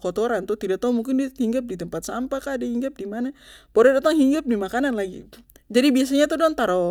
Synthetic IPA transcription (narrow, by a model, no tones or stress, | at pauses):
kɔt̪ɔɾant̪ut̪idaʔt̪aumuŋkɪndihiŋɡap̚dit̪əmpat̪̚sampakadahiŋɡap̚dimanapɔɾɛdat̪aŋhiŋɡap̚dimakananlaɡḭ | d͡ʒadibias̬aɲat̪udɔnt̪aɾɔ